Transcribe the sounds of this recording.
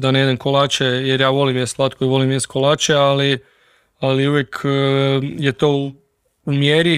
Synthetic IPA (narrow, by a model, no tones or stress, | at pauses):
d̪aneid̪emkolaːt͡ʃejeɾjaːʋo̞limjest̪lˠat̪̚koiʋo̞limjest̪kolaːt͡ʃeali | aliuʋjekʰ | jet̪oː | umjeɾi